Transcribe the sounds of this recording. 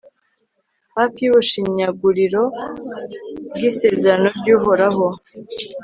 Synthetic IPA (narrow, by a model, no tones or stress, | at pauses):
hafijuβuʃiɲaɡuɾiɾo̞ | b̚ɡiːse̞ːze̞ɾano̞bɟuːɦo̞ɾaɦo̞